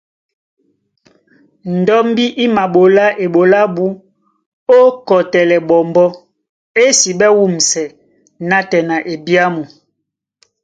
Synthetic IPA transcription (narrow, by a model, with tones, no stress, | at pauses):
n̩˨dɔ˦m˦bi˦ʔi˦ma˨ɓo˨la˦ʔe˨ɓo˨la˦ɓu˦ | o˦kɔ˨tɛ˨lɛ˨ɓɔ˨mbɔ˦ | e˦si˨ɓɛ˦wu˦˨m̩˨sɛ˨ | na˦tɛ˨na˨ʔe˨bi˦a˦mu˨